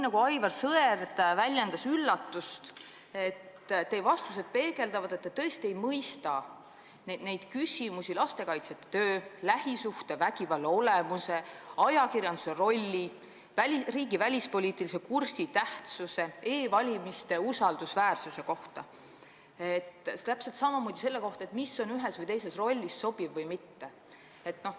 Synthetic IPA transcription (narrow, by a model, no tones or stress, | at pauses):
nɑɡ̥uɑjvɑrsɤert̪vælʲjend̪̥ɑsylːɑt̪ːˑust̪ | et̪ːt̪ːe̞ːvɑst̪us̬e̞d̪̥̚pe̞ːɡe̞ld̪ɑvɑd̪et̪ːet̪ːɤ̞est̪ie̞jmɤjst̪ɑ | ned̥̪ne̞jd̪̥kysʲimusʲilɑst̪e̞kɑjt̪set̪ːˑe̥t̪øːlæhisuht̪e̞vækivɑlːo̞lemuse̞ɑjɑkirjɑnd̪̥use̞ro̞lʲːi | væriːɡivælʲispo̞lʲiːt̪ːˑilisekursit̪æht̪suse̞eːvɑlʲimist̪e̞usɑld̪̥usvæːrsuse̞ko̞ht̪ɑ | et̪ˑːt̪æpse̞lt̪sɑmɑmoːd̪̥ʲise̞lːeko̞ht̪ɑet̪misːo̞nyɦesvɤjt̪ejse̞sro̞lʲːisso̞b̥ivːɤjmit̪ːe | et̪ːno̞h